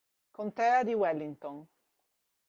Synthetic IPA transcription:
kont̪ɛːad̪iwɛlːiŋt̪on

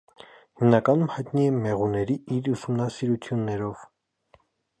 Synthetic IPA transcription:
himnɑkɑnumhɑjt̪niɛmɛʁunɛɾiiɾusumnɑsiɾut͡sʰjunːɛɾɔv̥

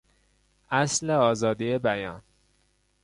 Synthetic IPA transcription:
ʔæsleɒːzɒːd̪iːjebæjɒːn

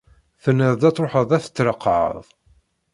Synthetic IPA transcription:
θənːəɾd̪æt͡sːˤɾoħəðˤæθə̥t͡sːɾəqːʕə̰ðˤ

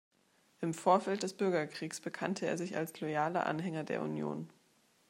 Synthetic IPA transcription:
ʔɪmfoːɐfɛlt̚d̥ɛsb̥ʏɐɡɐkʁ̥iːksb̥əkʰantʰəḛːɐzɪça̰lslɔjaːlɐ̰ʔa̰nɦɛŋɐdeːɐṵnjo̰ːn

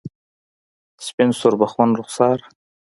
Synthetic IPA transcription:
spensuɾbaχwɑnɾʊχsɑɾ

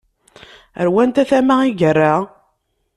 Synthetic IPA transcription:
ə̰ɾwænt̪æθæmaiʝərːa

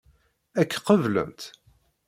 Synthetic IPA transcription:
ækːqəvlə̰nt̪

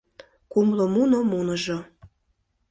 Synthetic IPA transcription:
kumlomunomunəʒo

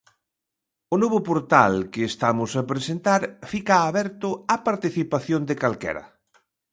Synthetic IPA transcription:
ʊnoβʊpoɾt̪a̰lkeːst̪amʊsapɾesent̪aɾfikaːβɛɾt̪ʊapaɾt̪iθipaθjond̪ɪkalkɛ̰ɾɐ̰

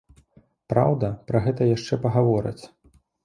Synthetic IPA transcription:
pɾa̰wd̪ɐpɾɐɣɛt̪ɐjaʂt͡ʂɛpɐɣavɔɾɐ̰t͡sʲ

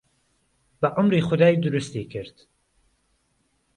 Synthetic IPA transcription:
bɐʔʊmɾiːxʊd̪aːjd̪ʊɾʊst̪ikʰɨɾt̪

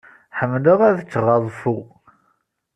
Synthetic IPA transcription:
ħəmːləʁæðət͡sːəʁɑðˤfu

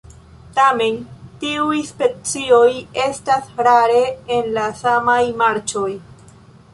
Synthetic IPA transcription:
tame̞ntiujspe̞t͡sio̞je̞stasɾaɾe̞ːnlasamajmaɾt͡ʃo̞j

